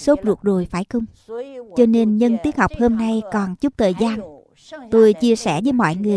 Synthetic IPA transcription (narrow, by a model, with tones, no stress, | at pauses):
so˦˥p̚zu˨˩ək̚zo˨˩jfaː˧˩jkʊ˧ŋ͡mt͡ɕɔ˧ne˧nɲə˧nt̪i˦˥ək̚ha˨˩wk͡p̚ho˧mna˧jkɔ˨˩nt͡ɕu˦˥k͡p̚t̪ʰəː˨˩jzaː˧n | t̪o˧jt͡ɕi˧əsɛ̰˧˩zɨː˨˦mɔ̰˧˨jŋɨ˨˩ə